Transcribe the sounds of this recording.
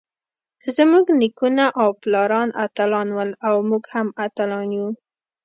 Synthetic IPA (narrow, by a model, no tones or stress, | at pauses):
zəmuɡnikunaʔawplɑɾɑnʔa̰t̪alɑnwəlawmuɡhamat̪alɑnju